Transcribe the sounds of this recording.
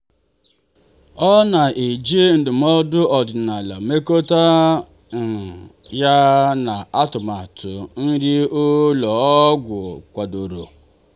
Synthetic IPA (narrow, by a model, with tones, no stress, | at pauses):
ɔ˦na˨ʔi˨d͡ʒi˦n̩˨dɪ˨m˦ɔ˦dʊ˦ɔ˨dɪ˨na˨la˨me˦ko˦ta˦ | n̩˨ | ja˦na˨a˦tʊ˨ma˨tʰʊ̰˨n̩˦ɾi˦o˦lɔ˨ɔ˦ɡʷʊ˨kʷa˨do˨ɾo̰˨